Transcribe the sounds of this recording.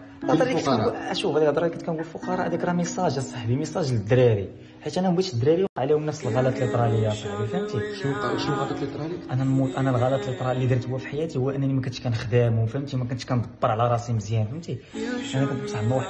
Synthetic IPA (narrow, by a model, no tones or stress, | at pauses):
ʔɑˤliæt̪ææʃubæd̪ækd̪ˤɾˤɑlikæt̪kænɡulfʊqɑɾˤɑʔd̪ækɾˤɑməsˤɑʒsˤɑħbiməsˤɑʒləd̪ɾiɾi | ħit̪ːʔænæmbit̪ʃəd̪ːɾiɾiwqɑʕlihumnːəfsəlɣɑlæt̪lit̪ˤɾˤɑləjːasˤɑʕbifhæmt̪iʃʃuqɑt̪ɑt̪lit̪ɾˤɑlikʔænænmuʔænælɣɑlæt̪lit̪ˤɾˤɑlːid̪iɾt̪huwːæfi̥ħajæt̪ihuwːæʔənːænimækʊnt̪ʃkænxd̪æmwfæmt̪imæk̬ʊnt̪ʃkænd̪ˤbːəɾˤʕlæɾˤɑsimzjænfæmt̪iʔænækʊnt̪bsˤɑħlmuħ